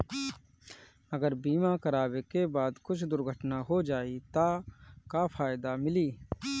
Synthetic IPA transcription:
ɐɡəɾbiːmakɐɾaːwekebaːd̪kʊt͡ʃʰd̪ʊɾɡʱəʈnaɦod͡ʒaːit̪akafʰaːɪd̪amɪliː

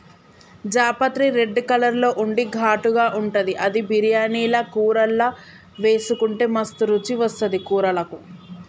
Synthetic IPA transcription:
d͡ʒaːpɐt̪ɾiɾe̞ɖːkɐlɐɾlo̞ːʔuɳɖiɡʱaːʈuɡaːʔuɳʈɐd̪iʔɐd̪ibʱiɾijaːniːlɐkuːɾɐlːɐ | ʋe̞ːsukuɳʈeːmɐst̪uɾut͡ʃiʋɐst̪ɐd̪ikuːɾɐlɐku

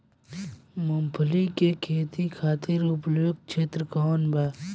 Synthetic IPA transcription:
mʊmpʰəlikekʰeːt̪ikʰaːt̪ɪɾʊplok̚t͡ʃʰeːt̪ɾkoːnbaː

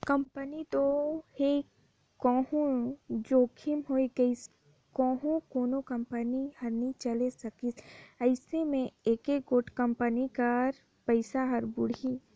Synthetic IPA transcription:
kɐmpənit̪ohe | kɔːɦũd͡ʒoːkʰimɦoːiɡɐis | kɔːɦũkoːnokɐ̃mpənihɐɾnit͡ʃɐlesɐkisɐɪsemẽeːkekɡoːʈkəmpənikɐɾ | pəɪsaɦɐɾbʊɽi

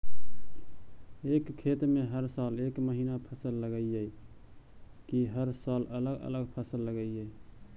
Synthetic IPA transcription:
ekkʰːet̪meɦəɾsaːlekməɦiːnapʰəsəlːəɡəijəi | kiɦəɾsaːlələɡə̰ləɡpʰəsəlːəɡəəi

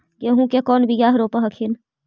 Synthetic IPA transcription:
jeɦũkekɔːnbʱijaːɦɾoːpəɦɐkʰin

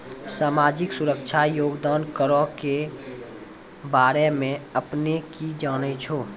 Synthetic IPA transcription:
saːmaːd͡ʒɪksuɾəkt͡ʃʰajoːɡd̪aːnkəɾɔke | baːɾemẽəpnekid͡ʒaːnət͡ʃʰoː

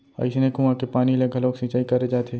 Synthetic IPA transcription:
a̰ɪsnekũãkepaːnileɡʱɐloːksĩt͡ʃaːikɐɾed͡ʒaːt̪ʰeː

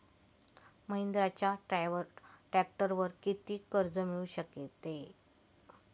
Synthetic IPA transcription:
məind̪ɾat͡ɕjaʈ | ʈɾæk̚ʈəɾʋəɾkit̪iːkəɾd͡zəmiɭuɕəket̪ːe

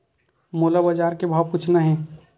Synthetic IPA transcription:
moːlabɐd͡ʒaːɾkebʱaːwkʊt͡ʃʰnaɦɛ̃ː

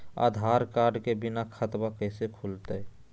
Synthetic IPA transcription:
a̰d̪ʱaːɾkaːɾɖkebɪnakʰət̪bakəɪsekʰult̪ə

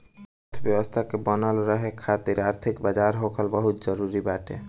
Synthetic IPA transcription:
ɔt̪ʰbɛbost̪ʰakebɔnaloɾɔɦekʰat̪iɾaɾt̪ʰikbad͡ʒaɾɦokʰalbɔɦut̪d͡ʒɔɾuɾibaʈe

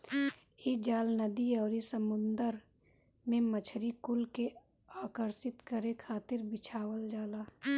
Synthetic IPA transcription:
eːd͡ʒaːlnəd̪iɔːɾisəmʊnd̪əɾ | mẽmət͡ʃʰɾikʊlke | aːkəɾsɪt̪kəɾekʰaːt̪ɪɾbɪt͡ʃʰaːwəld͡ʒaːlaː

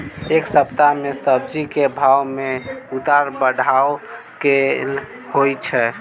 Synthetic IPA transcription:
eksəpt̪amesəb̚d͡ʒikebʱawmeut̪aɾbəɖʱao | ke | hojt͡ʃʰɛ

